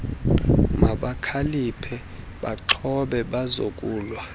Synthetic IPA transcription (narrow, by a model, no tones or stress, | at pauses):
maɓakʰalipʰɛ | ɓaǃʰɔɓɛɓazo̰kʼuːlwa